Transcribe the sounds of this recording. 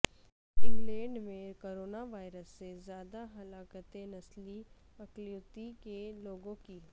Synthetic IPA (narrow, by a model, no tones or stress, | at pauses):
ɪ̃ŋɡlɛ̃ːɳɖmẽkoːɾoːnaʋaːɪɾəsːezjaːd̪aɦɐlaːkət̪enɐsli | ɐkljuːt̪ikeloːɡõki